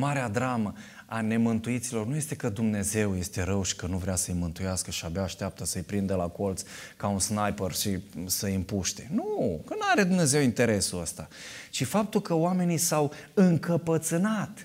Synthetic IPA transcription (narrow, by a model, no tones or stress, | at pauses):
maɾead̪ɾamə | ane̞mɨnt̪uit̪silo̞rnuje̞st̪e̞kəd̪umne̞ze̞wje̞st̪e̞ɾəwʃi̥kənuvɾeasəjmɨnt̪ujaskəʃiabeaːʃt̪eap̚t̪əsəjpɾind̪əlakolt̪s | kaunsnajpərʃisəimpuʃt̪e̞nukənaɾe̞d̪umne̞ze̞wint̪e̞ɾe̞suəst̪a | t͡ʃifap̚t̪ulkəoame̞nisaw | ɨŋkəpət̪sɨnat̪